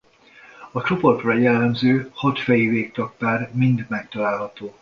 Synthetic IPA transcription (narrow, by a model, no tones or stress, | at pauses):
ɒt͡ʃo̞po̞t̪rɒjɛlːɛmzøːhɒt̪fɛjiveːk̚t̪ɒk̚paːrmind̪mɛkt̪ɒlaːlɦɒt̪oː